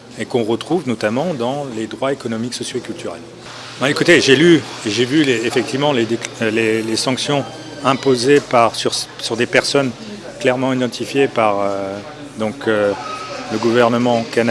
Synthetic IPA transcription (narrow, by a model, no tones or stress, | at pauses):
ekɔ̃ʁət̪χuvnɔt̪amɑ̃d̪ɑ̃led̪ʁwaekɔnɔmiksɔsjoekʲylt̪yʁɛl | bɛ̃ekut̪eʒelyeʒevyleːfɛk̚t̪ivmɑ̃led̪eklelesɑ̃ksjɔ̃ | ɛ̃pozepaʁsyʁssyʁd̪epɛʁsɔn | klɛʁmɑ̃id̪ɑ̃t̪ʰifjepaʁø | d̪ɔ̃køləɡuvɛʁnəmɑ̃kan